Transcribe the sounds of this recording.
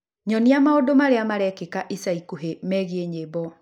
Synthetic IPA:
ɲɔniamaodomaɾeamaɾɛkekaʔisaikuɦemɛɣieɲebɔ

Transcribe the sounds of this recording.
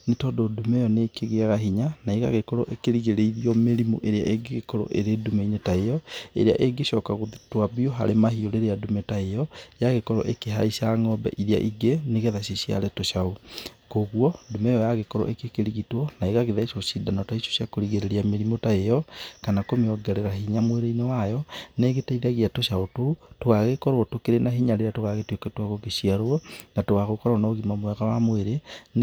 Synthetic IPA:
netɔdodumɛjɔneːkeɣeaɣaɦiɲanaeɣa̰ɣekɔɾɔʔekeɾiɣeɾeiɾiɔmeɾimo̰ʔeɾea̰ʔeɡeɣekɔɾɔ̰ʔeɾeːdumeiɲetaejɔḛɾea̰ʔeɡeɕɔːkaɣoðtwabioɦa̰ɾemaɦioɾeɾeadumetaejɔjaɣekɔɾɔ̰ʔekeɦa̰iʃaŋɔbɛ̰ʔiðia̰ʔiɡeneɣɛðaɕiɕia̰ɾɛtoɕaokoɣuɔdomɛjɔjaɣekɔɾɔ̰ʔekekeɾiɣitwɔnaeɣaɣeðaiʃoʃidanɔtaiʃo̥ɕjakoɾiɣeɾeɾiameɾimotaejɔkanakomeɔɡɛɾeɾaɦiɲamweɾeinewajɔneɣetaiðaɣiatoɕaototoɣaɣekɔɾwɔtokeɾenaɦiɲaɾeɾeatoɣaɣetwekɛtwaɣoɣeɕiaɾoɔnatoɣaɣokɔɾanaoɣimamwɛɣawamweɾen

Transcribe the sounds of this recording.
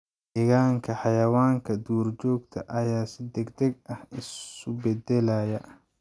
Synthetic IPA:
ʔɛɣaːŋkʰɐħɑjɐwaːŋkʰɐd̪uːrt͡ʃɔːɡt̪ʰɐʔɐjaːsɪd̪ɛɡd̪ɛɡ̚ɐhɪsʊbɛd̪ɛlɐjɐ

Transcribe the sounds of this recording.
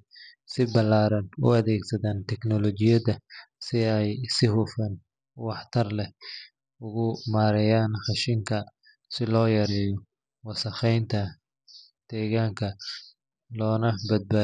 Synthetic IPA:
sɪbɐlaːɾɐnʊ̰ɐðɛːɡsɐðaːnt̪ʰɛknɔlɔt͡ʃɪjɐðɐsɪɛjsɪhʊfɐn | wɑħt̪ʰɐrlɛ | ʊɣʊmaːɾɛjaːnχɑʃɪŋkʰɐ | sɪlɔːjɐɾɛːjɔ | wɑsɐχɛjnt̪ʰɐ | d̪̥ɛːɣaːŋkʰɐ | lɔːnɐbɐd̪̚baː

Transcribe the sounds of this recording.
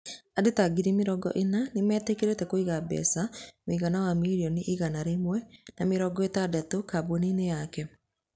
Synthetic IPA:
adetaɡiɾimeɾɔɡɔ̰ʔenanemɛːtekeɾetɛkoiɣabɛ̰samoiɣanawamiɾiɔniʔiɣanaɾemwɛnameɾɔɡɔetadatokaboninejakɛ

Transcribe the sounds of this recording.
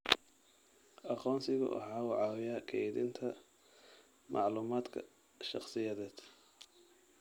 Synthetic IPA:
ʔɑqɔːnsɪɣʊ̰ʔɐ̰ħɑːwʊʕɑwɪjɐkʰɛðḭnt̪ʰɐ | mʔɑʕluːmaːd̪kʰɐ̰ | ʃɑ̰χsɪjɐðɛːd̪̥

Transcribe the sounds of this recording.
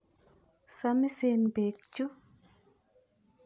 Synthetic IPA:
samisenbeːk̚t͡ʃu

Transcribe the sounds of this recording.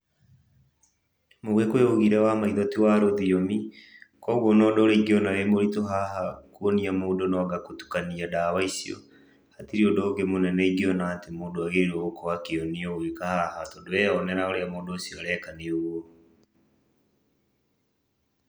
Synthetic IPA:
moɣekweoɣiɾɛwamaiðɔtiwaɾoðiɔmikɔɣɔnɔdɔɾeiɡeɔnaɾemoɾitoɦahakuoniamoːdonɔɡakotu̥kaniadawaisiɔ̰ | hatiɾiodoːɣemonɛnɛiɡeɔnaːtemoːdoaɣeɾookɔwakeoniɔwekahahatɔdoɛɔnɛɾaoɾeamoːdoːsiɔɾɛkaneoɣwɔ

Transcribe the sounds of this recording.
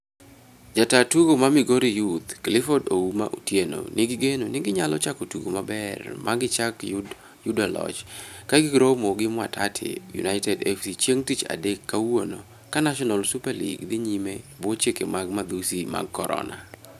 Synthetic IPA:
d͡ʒatatuɡomamɪɡoɾijut̪klɪfɔdouma̰ʔutjeno̰nɪɡɪɡenonɪɡɪɲalɔt͡ʃakotuɡomabɛrmaɡɪt͡ʃak | judalɔ̰t͡ʃkaɡɪɡɾomoɡɪmwa̰tʰatʰɪ̰jṵnaɪtɛdɛfsit͡ʃeŋtit͡ʃa̰dekːawono | kanaʃɔnalsupaɾlḭɡd̪ɪɲimebot͡ʃekemaɡmad̪usima̰ɡ̚kːɔɾɔ̰na̰

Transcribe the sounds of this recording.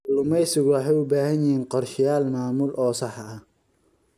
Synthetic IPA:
ʊlʊmɛjsɪɣʊwɑħɛjʊbaːhɐnjɪhiːnqɔrʃɪjaːlmaːmʊlʔɔːsɑħɐ

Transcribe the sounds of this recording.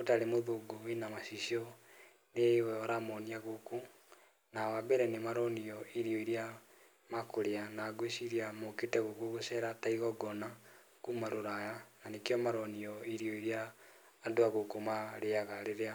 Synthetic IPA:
otaɾemoðoɡoenamasiɕiɔ | newɛɔɾamɔniaɣoku | nawabɛɾɛnemaɾɔniɔiɾiɔiɾia | makoɾeanaɡweʃiɾiamoketɛɣokoɣosɛɾataiɣɔɡɔna | kumaɾoɾajananekjɔmaɾɔniɔiɾiɔiɾiaː | doaɣokomaɾeaɣaɾeɾea

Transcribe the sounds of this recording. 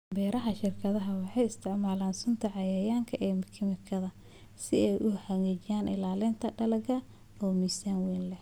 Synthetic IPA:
bɛːɾɐɦɐʃɪrkʰɐðɐɦɐwɑħɑjɪst̪ʰɪʕmaːlaːnsʊnt̪ʰɐʕɑjɐjaːŋkʰɐʔɛːmɐkʰɪmɪkʰɐðɐ | sɪɛjʔʊħɑɣiːt͡ʃɪjaːnʔɪ̰laːlɪnt̪ʰɐɖɐlɐɡɐ | ɔːmiːsanwinlɛh

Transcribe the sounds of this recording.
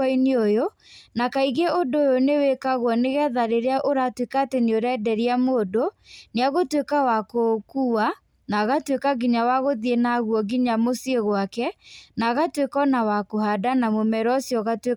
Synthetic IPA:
iniojo | nakaiɣeodojonewekaɣwɔneɣɛðaɾeɾeaʔoɾatwekatenioɾɛdɛɾiamoːdoneaɣotwekawakokuwa | naɣatwekaɡiɲawaɣoðjenaɣwɔɡiɲamosieɣwakɛnaɣatwekɔnawakohadanamomɛɾɔsjɔɣatwe

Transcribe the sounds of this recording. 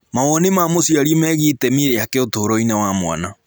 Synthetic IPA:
mawɔnemamosiaɾiemɛːɣitɛmeakɛotoːɾɔinawamwa̰na

